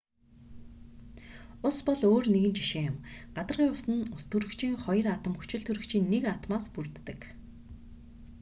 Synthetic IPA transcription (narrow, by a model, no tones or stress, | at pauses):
ʊspɔɮoːrneɣɘ̆nt͡ɕiʃeːjʊ̆mɢ̥at̪ə̆rʁjʊwsɘ̆nʊst̪ʰɵɾɘ̆kt͡ɕʰiːŋχɔjə̆rat̪ə̆mxɵ̥t͡ɕɪ̆ɮt̪ʰɵɾɵ̆kt͡ɕiːnːekat̪maːspurt̪ːə̆k